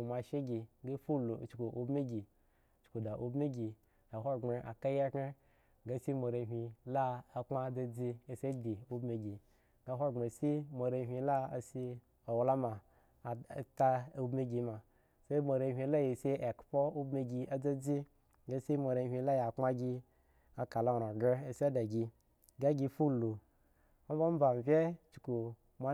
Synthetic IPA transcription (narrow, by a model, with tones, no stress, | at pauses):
u˨ma˨ʃe˦ɡʲi˨ɡa˦fu˦lu˨t͡ʃku˨ʔu˨bmi˦ɡʲi˨ | t͡ʃku˨da˨ʔu˨bmi˦ɡʲi˨ | a˨ɦo˦˨ŋ͡me˨ʔa˨ka˦ja˦ke˦ | ɡa˦si˦mo˨ɾe˧ɦʲi˧la˦a˨k͡pma˦d͡za˦d͡zi˧e˨se˦di˨u˦bme˧ɡʲi˨ | ɡa˦ɦʷo˦˨ŋ͡me˨si˦mo˨ɾe˧ɦʲʷi˧la˦a˨si˧ | o˨wla˦ma˨ | ta˦u˦bme˦ɡʲi˧ma˨ | se˦i˦mo˨ɾe˧˨ɦi˧la˦je˨se˦e˨kpo˦u˦be˧ɡi˧a˨d͡za˦d͡zi˦ | ɡa˧˦si˦mo˨ɾe˧˨ɦʲʷi˧la˦ja˨k͡pma˦ɡʲi˧ | a˨ka˨lo˦˨ɾo˨ɡe˦e˨si˦a˦da˨ɡʲi˧ | ɡa˦ɡi˧fu˦lu˨ | o˦bo˦m̩˦ba˨m˨vʲe˦t͡ʃu˨ku˨ | mʷa˦